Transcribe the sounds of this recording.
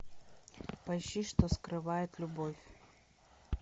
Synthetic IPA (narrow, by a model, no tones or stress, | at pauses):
pɐjɕiʂt̪oskɾɨvajɪt̪lʲʊbofʲ